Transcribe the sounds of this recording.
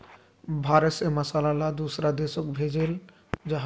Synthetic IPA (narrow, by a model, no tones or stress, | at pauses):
bʱaɾesemɐsalalad̪usɾad̪eʃok̚bʱed͡ʑel | d͡ʑaɦ